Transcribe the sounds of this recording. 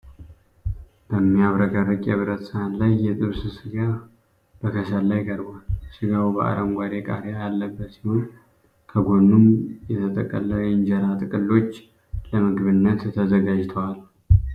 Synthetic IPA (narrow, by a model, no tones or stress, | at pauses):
b̥əmːijaβɾəɡarɨkʼjɛβɨɾət̪sɨhanlajːɛt̪ʼɨβsɨsɨɡa | b̥əkʰəsəllajkʼəɾbalsɨɡawbəa̰ɾəmɡʷaɾekʼa̰ɾjajalːəbːət̪sihon | kʰəɡo̞nːumjɛt̪ʰət̪ʼə̰kʼːələjɨɲd͡ʒɛɾat̪ʼɨkʼɨlːo̞t͡ʃː | ləmɨɡβɨnːət̪t̪ʰəzəɡad͡ʒt̪ʰəwal